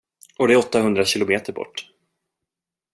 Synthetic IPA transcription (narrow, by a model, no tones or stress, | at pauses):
ɔd̪ɛæɾɔt̪ːaɦɵnd̪ɾaɕɪlʊmeːt̪əɾbɔ̰ʈː